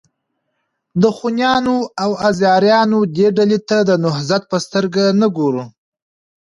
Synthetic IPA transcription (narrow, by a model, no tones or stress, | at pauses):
d̪əxunjɑnoawazjɑɾjɑnod̪eɖalet̪ad̪ənʊɦzat̪̚pəst̪əɾɡanəɡoɾu